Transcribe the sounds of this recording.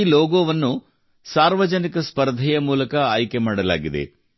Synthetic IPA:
loːɡoːʋɐnːu | saːɾʋɐd͡ʒɐnikɐspɐɾd̪ʱijɐmuːlɐkɐaːjkemaːɽɐla̰ːɡid̪ḛ

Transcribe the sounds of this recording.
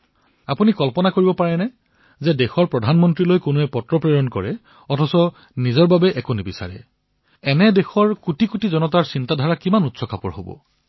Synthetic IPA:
apunikɔlpɔnakoɹibɔpaɹɛnɛ | zɛdexɔɹpɹɔdʱanmɔntɹilojkonuɛpɔtɹɔpɹeɹɔnkɔ̰ɹɛ | ɔtʰɔsɔ | nizɔɹbabɛʔɛkonibisa̰ɹɛ̰ | ɛnɛdexɔɹkutikutizɔnɔtaɹsintadʱaɹakimanutsɔkapɔ̰ɹho̰bɔ̰

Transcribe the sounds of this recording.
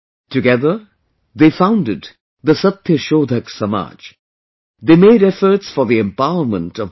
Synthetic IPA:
tɨɡɛðə˞ | d̪eːfãʊ̃ndɪd̪ | d̪əsʌt̪jəʃoːd̪ʱəksʌma̰ːd͡ʒ | d̪eːmeɪɾɛfə˞ʈsfɔɾðiɛ̃mpaʊəɾmə̰̃ntɔv

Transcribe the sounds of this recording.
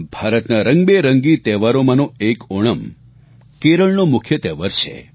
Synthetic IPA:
bʱaɾət̪naɾəŋɡbeɾəŋɡit̪ɛʋaɾomãnoekoɽ̃əm | keɾəɭnomʊkʰjət̪ɛʋəɾt͡ʃʰḛ

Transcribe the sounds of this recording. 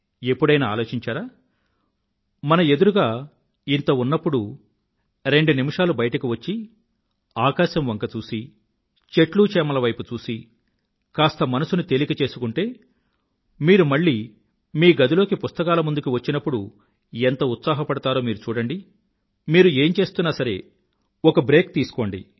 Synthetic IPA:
e̞pːuɽɐjnɐa̰ːlo̞ːt͡ʃiɲt͡ʃaːɾaː | mɐnɐe̞d̪uɾuɡaː | int̪ɐunːɐpːuɽu | ɾe̞ɳɖunimiʂaːlubɐjɐʈɐkiʋɐt͡ʃːi | aːkaːʃɐmʋɐŋkɐt͡ʃuːsi | t͡ʃe̞ʈluːt͡ʃɛːmɐlɐʋɐjput͡ʃuːsi | kaːst̪ɐmɐnɐsunut̪e̞likɐt͡ʃe̞ːsukuɳʈe̞ː | miːɾumɐɭːiː | miːɡɐd̪ilo̞ːkipust̪ɐkaːlɐmund̪ukiʋɐt͡ʃːinɐpːuɽu | ent̪ɐut̪saːɦɐpɐɽut̪aːɾo̞ːmiːɾut͡ʃuːɽɐɳɖi | miːɾue̞ːmt͡ʃe̞ːst̪unːaːsɐɾe̞̰ː | ɔkɐbɾe̞ːk̚t̪iːsu̥ko̞ːɳɖḭ

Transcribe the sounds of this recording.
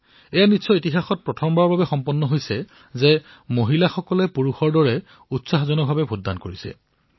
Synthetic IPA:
ɛjanitsɔitiɦaxɔt̚pɹɔtʰɔmbaɹbʱabɛxɔmpɔnːɔɦojsɛ | zɛ | moɦilaxɔkɔlɛpuɹuxɔɹdɔɹɛ | utsaxzɔnɔbʱabɛbʱodːa̰nkoɹisɛ̰

